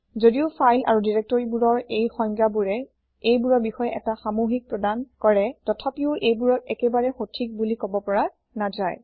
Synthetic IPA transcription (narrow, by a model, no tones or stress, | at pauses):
zodiʊfʰajlʔa̰ɹudiɹɛk̚tɔɹibuɹɔɹejxɔŋkabuɹɛ | ejbuɹɔɹbixɔjɛʔɛtaxamoɦik̚pɹɔdankɔɹɛtɔtʰapiʊʔejbuɹɔtɛkɛbaɹɛxotʰik̚bulikɔbɔpɔɹa | nazaj